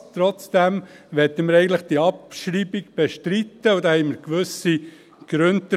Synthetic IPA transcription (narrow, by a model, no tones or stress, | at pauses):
t̪ɾɔt͡sd̥̪æm | ʋɛt̪ːəməɾɛɪɡən̩tləχd̥iːɑpʃɾiːbiɡb̥ɛʃtɾit̪ːəud̪ɑhɛɪməɾkʋʉsi | ɡ̥ɾɵntə